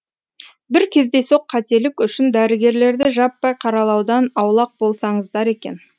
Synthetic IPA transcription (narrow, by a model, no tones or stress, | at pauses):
bɪɾkʲʰe̞zd̪e̞so̞qʰːɑt̪e̞lɪkʲʏʃɪnd̪æɾɪɡʲe̞ɾle̞ɾd̪ɪʒɑpːɑjqʰɑɾɑlˠɑwd̪ɑnɑwlˠɑq̚bo̞lˠsɑɴəzd̪ɑɾe̞kʲe̞̰n